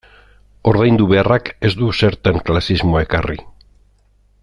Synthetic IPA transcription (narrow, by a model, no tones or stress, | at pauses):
o̞ɾðejnd̪uβearake̞zd̪use̞ɾt̪aŋklasizmo̞e̞karḭ